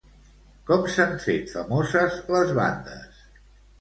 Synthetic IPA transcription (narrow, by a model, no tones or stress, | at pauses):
kɔmsaɱfet̪fəmɔzəzləzβa̰nd̪ə̰s